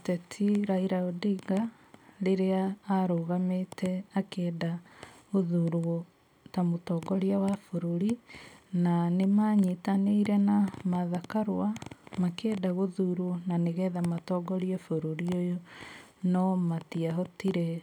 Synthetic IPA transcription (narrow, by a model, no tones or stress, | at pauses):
tɛtʰiɾaiɾaodiɡa | ɾeɾeaːɾoɣametɛakɛdaɣoðuɾwɔ | tamotɔɡɔɾiawafoɾoɾinanemaɲitaneiɾɛnamaðakaɾwamakeːdaɣoðuɾwɔnaneɣɛðamatɔɡɔɾiɛfoɾoɾiojonɔmatiaɦɔtiɾɛ